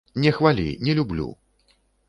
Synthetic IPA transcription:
nʲɛxvalʲḭnʲɛlʲublʲṵ

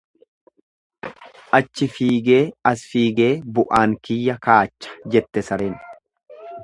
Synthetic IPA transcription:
ʔɐt͡ʃːɪfiːɡe̞ːɐsfiːɡe̞ːbʊʔaːŋkɪjːɐkaːt͡ʃːɐ̥d͡ʒɛt̪ːɛsɐɾeːn

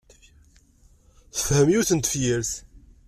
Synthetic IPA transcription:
θə̥fhəmjuθənt̪əfjəɾθ

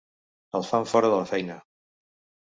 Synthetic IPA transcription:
əlˠfaɱfɔɾəðələfɛjnə

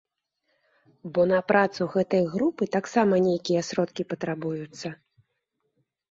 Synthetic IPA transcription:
bɔnɐpɾat̪suɣɛt̪ɐjɣɾupɨt̪aksamɐnʲejkʲijɛsɾɔt̪kʲipɐt̪ɾabujut̪sːɐ

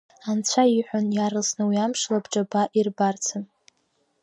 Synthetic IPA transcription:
ant͡sʷʰaiħʷᶣʊnjaɾɨlsnɨwiamʂlabʈ͡ʂʼabaʔirbart͡sʰɨm

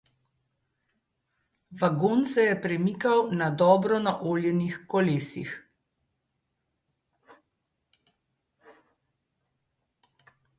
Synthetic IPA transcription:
ʋaɡoːnsɛjɛpɾɛmiːkawnad̪ɔːbɾɔnaʔoːljɛnixkɔleːsḭx

